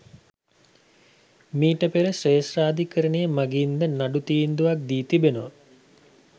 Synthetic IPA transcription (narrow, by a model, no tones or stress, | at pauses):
miːʈəpeɾəsreːsraːd̪ikəɾənejəmaɡiːnd̪ənaɖut̪ind̪uʋak̚d̪iːt̪ibenoʋ